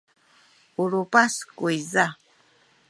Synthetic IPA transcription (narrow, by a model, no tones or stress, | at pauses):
uɾupaskuiza